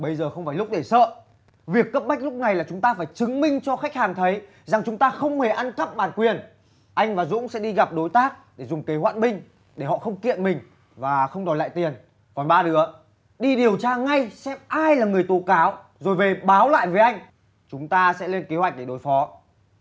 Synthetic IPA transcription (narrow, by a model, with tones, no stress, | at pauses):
ɓə˧jzəː˨˩xə˧wŋ͡mfaː˧˩jlʊ˦˥k͡p̚ɗe˧˩sə̰ː˧˨ | vi˨˩əkːə˦˥p̚ma˦˥k̟̚lʊ˦˥k͡p̚na˨˩jlaː˨˩t͡ɕʊ˨˦ŋ͡mt̪aː˧faː˧˩jt͡ɕɨ˨˦ŋmï˧ŋ̟t͡ɕɔ˧xa˦˥k̟̚haː˨˩ŋt̪ʰə˨˦j | za˨˩ŋt͡ɕʊ˨˦ŋ͡mt̪aː˧xə˧wŋ͡mhe˨˩ʔa˧nkə˦˥p̚ɓaː˨˩nkwi˨˩ən | ʔa˧jŋ̟vaː˨˩zʊ̰˧˥ŋ͡msɛ̰˧˥ɗi˧ɣa˨˩p̚ɗo˨˦jt̪aː˦˥k̚ɗe˧˩zʊ˨˩ŋ͡mke˨˦ɦwa̰ː˧˨nmï˧ŋ̟ | ɗe˧˩hɔ̰˧˨xə˧wŋ͡mkḭ˧˨ənmï˨˩ŋ̟ | vaː˨˩xə˧wŋ͡mɗɔ˨˩la̰ː˧˨t̪i˨˩ən | kɔ˨˩nɓaː˧ɗɨ˨˦ə | ɗi˧ɗi˨˩əwt͡ɕaː˧ŋa˧jsɛ˦˥p̚ʔaː˧jlaː˨˩ŋɨ˨˩əjt̪o˨˦kaː˨˦w | zo˨˩jve˨˩ɓaː˨˦wla̰ː˧˨jve˨˦ʔa˧jŋ̟ | t͡ɕʊ˨˦ŋ͡mt̪aː˧sɛ̰˧˥le˧nke˨˦hwa˨˩k̟̚ɗe˧˩ɗo˨˦jfɔ˨˦